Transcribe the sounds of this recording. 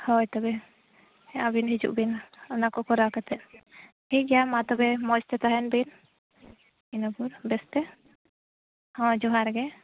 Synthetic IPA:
hɔjt̪ɔbɛ | ɛʔabinɦid͡ʒṵʔbinɔnakɔkɔɾawkat̪ɛʔ | hiʔɡɛjamat̪ɔbɛmɔd͡ʒt̪ɛt̪aɦɛnbin | inapuɾbɛst̪ɛ | hɔ̃d͡ʒɔɦaɾɡɛ

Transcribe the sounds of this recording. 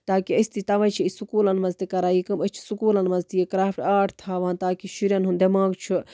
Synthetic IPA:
t̪aːkiɐsʲt̪it̪ɐʋɐ̃t͡ʃʰiisukuːlɐnmɐnzt̪ikɐɾaːjikɨmət͡ʃʰi̥sukuːlɐnmɐnzt̪ijekɾaːfʰʲʈaːʈʰt̪ʰaːʋãːnt̪aːkiʃiɾjɐnɦund̪ɐmaːɡt͡ʃʰu

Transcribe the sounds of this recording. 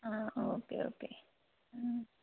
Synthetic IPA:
aokḛo̰ːke

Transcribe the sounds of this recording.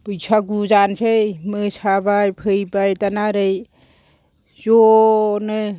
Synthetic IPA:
pɯjsʰaɡuzansejmɯsabajpʰɯjbajtanaɾɯj | zɔnɯ

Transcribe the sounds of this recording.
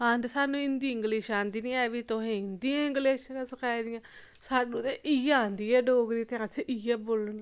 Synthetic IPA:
ãːnd̪esaːnũːɪnd̪iːɪŋɡleːʃãːnd̪iːnĩːɛːʋiːt̪oɦẽɪnd̪iãɪ̃ŋɡleːʃkaːsəkʰaːid̪ɪjãː | saːɖũːt̪eʔiãːnd̪iːɛːɖoːɡɾiːt̪ẽat͡ʃʰeʔɪɛːboːlən

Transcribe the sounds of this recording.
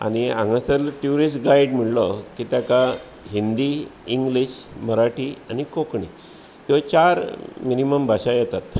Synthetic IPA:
a̰ñiã̰ŋɡə̃səlʈjuɾisʈ̚ɡaiɽm̤iɭlɔkit̪jaka | ɦind̪iiŋɡliɕməɾaʈianikokɳi | t͡ɕaɾminiməmbʱaɕajɛt̪at̪

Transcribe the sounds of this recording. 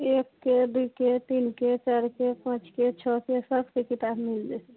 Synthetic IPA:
ekːed̪uket̪inket͡ʃaɾkepãt͡ʃket͡ʃʰɔkesəbkekit̪abmild͡ʒɛsɛ

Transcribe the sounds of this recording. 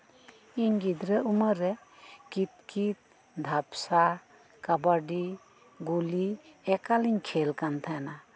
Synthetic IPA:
iɲɡid̪ɾəuməɾɛkit̪̚kit̪̚ | d̪ʱapsa | kabaɖi | ɡuliɛkaliɲkʰelkant̪ʰajana

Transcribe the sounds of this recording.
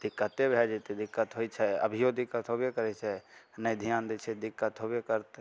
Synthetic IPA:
d̪ɪkːət̪ebʱɛd͡ʒet̪ed̪ɪkːət̪ɦoit͡ʃʰɛə̰bʱijod̪ɪkːət̪ɦobjekəɾɛt͡ʃʰɛnəid̪ʱijaːnd̪et͡ʃʰɛd̪ɪkːət̪ɦobjekəɾt̪e

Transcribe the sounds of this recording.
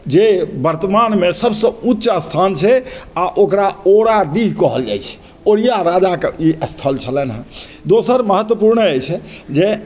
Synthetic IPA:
d͡ʒebəɾt̪əmanmesəbsə̃utːt͡ʃast̪ʰant͡ʃʰɛaʔokɾaoɾaɖiɦkɔɦəld͡ʒa̰jt͡ʃʰɛ̥ | oɾijaɾad͡ʒakeiəst̪ʰəlt͡ʃʰələnɦə̃d̪osəɾməɦət̪wəpuɾnəəjt͡ʃʰɛd͡ʒe

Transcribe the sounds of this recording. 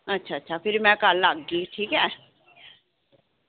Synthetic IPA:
ətːʃʰaːtːʃʰaːpʰɪɾmɛ̃ːkəlːaɡːiːʈʰiːkɦɛː

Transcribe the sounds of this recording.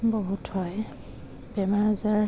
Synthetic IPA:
bɔɦuthɔj | b̥ɛmaɹzaɹ

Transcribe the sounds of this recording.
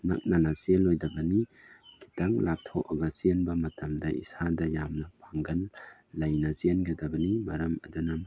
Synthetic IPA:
nɐ̰k̚nɐnɐselojdɐbɐniɡi̥taŋlap̚tʰoɐɡɐzienbɐmɐtɐmdɐʔḭsadɐjamnɐpʰaŋɡɐlːɐjnɐzienɡɐdɐbɐnimɐɾɐmɐ̰dunɐm

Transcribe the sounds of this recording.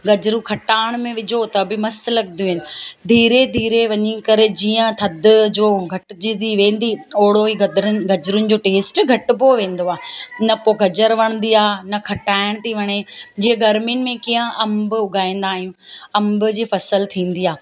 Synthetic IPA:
ɡɐd͡ʑɾũkʰɐʈaːɪɽ̃mẽʋɪd͡ʑʱot̪ɐbɪmɐst̪lɐɡnd̪juɦɪnɪ̆d̪ʱiːɾed̪ʱiːɾeʋɐɲikɐɾed͡ʑiːə̃t̪ʰɐd̪d͡ʑoːɡʱɐʈd͡ʑid̪iʋẽːn̆d̪ioːɽoiɡd̪ɾɡɐd͡ʑɾʊnɪ̆d͡ʑoːʈeːsʈɡʱɐʈboʋẽːn̆d̪oaːɦnɐpoːɡʱɐd͡ʑəɾʋɐɽ̃nd̪iaːnɐkʰɐʈaːɪɽ̃t̪ʰiʋɐɽ̃ed͡ʑiːə̃ɡʱɐɾmijənɪ̆mẽkiːə̃ʔɐ̃mbʊɡʱaːĩːnd̪aːɦijũːɐmbd͡ʑiːfɐsəlt̪ʰĩːn̆d̪iaː

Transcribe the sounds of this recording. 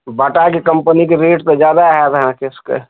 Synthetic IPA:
bəʈakekɐ̃mpənikeɾeːʈt̪od͡ʒjaːd̪aɦɛʋɐɦãkɪskḛ

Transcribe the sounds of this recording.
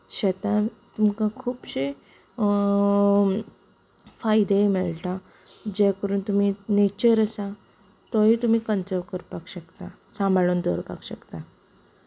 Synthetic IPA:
ɕet̪ãt̪umkãkʰuːbɕe | fajd̪emɛɭʈa | d͡ʑɛkəɾuːnt̪um̤inet͡ɕəɾəsa | t̪ɔɦit̪um̤iːkənt͡səʋkəɾpakɕəkt̪a | sãmbʱaɭuːnd̪ʱɔ̰ɾpa̰kɕəkt̪a

